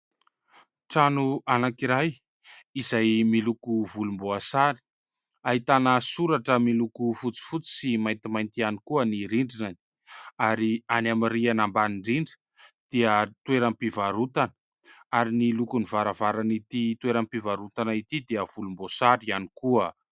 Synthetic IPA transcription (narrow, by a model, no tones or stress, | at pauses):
ʈ͡ʂanuʔanakiɾaj | izajmilukuvulumboasaɾi̥ | aɦit̪anəsuɾaʈ͡ʂəmilukufut͡si̥fut͡si̥simajnt̪imajnt̪ianikuəniɾiɳɖ͡ʐinani̥ | aɾianamirianambaniɳɖ͡ʐiɳɖ͡ʐə̥ | d̪̥iət̪weɾampivaɾut̪anə̥ | aɾinilukunivaɾavaɾanit̪it̪weɾampivaɾut̪anait̪id̪eəv̥ulumbosaɾianikuə